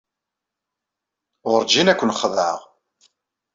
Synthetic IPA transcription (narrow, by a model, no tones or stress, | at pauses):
ʁəɾd͡ʒinækʷːənχəðʕəʁ